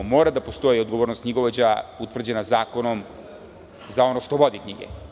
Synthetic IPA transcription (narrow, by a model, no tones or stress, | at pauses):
mo̞ːɾad̪apo̞st̪o̞jiod̪ɡo̞ʋoːɾnost̪kɲiɡo̞ʋod͡ʑaut̪ʋr̩d͡ʑe̞nazaːko̞no̞m | zao̞noʃt̪oʋo̞d̪ikɲiɡḛ